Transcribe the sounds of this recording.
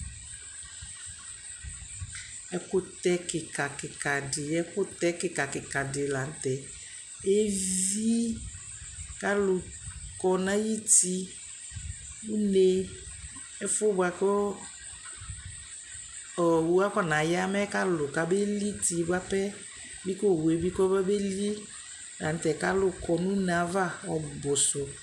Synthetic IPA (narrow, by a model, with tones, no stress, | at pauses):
ɛ˦kʊ˦t̪ɛ˦kɪ˨ka˨kɪ˨ka˨dɪ˨ɛ˦kʊ˦t̪ɛ˦kɪ˨ka˨kɪ˨ka˨dɪ˨la˨˦n̩˦tɛ˨ | e˦vi˦ | ka˦lʊ˨kɔ˨nã˦ji˦ti˦ | u˦ne˦ | ɛ˦fʊ˦ba˨kɔ˦ | ɔ˨wu˦a˦kɔ˦˨na˨ja˦mɛ˦ka˦lʊ˨ka˨be˦li˦ti˨ba˦pɛ˦ | bi˦kɔ˦˨we˨bi˦kɔ˦ba˦be˦li˦ | la˨n̩˦tɛ˨ka˦lʊ˦kɔ˨nu˦na˨˦va˦˨ɔ˨bʊ˨sʊ˨